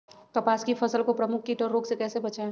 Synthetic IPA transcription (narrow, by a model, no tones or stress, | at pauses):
kɐpaːskipʰɐsəlkopɾəmʊkʰːiʈɔːɾːoːɡsekɛːsebɐt͡ʃae